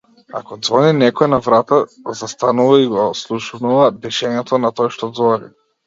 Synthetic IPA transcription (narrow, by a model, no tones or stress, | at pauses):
a̰kɔd̪zvɔninɛkɔɛnavɾat̪a | zast̪anuvaiɡɔslˠuʃnuvad̪ɛʃɛɲɛt̪ɔnat̪ɔjʃt̪ɔd̪zvɔnḭ